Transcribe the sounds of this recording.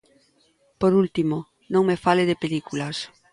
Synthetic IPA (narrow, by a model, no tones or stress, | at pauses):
poɾult̪imo | nõŋmefaleðepelikulas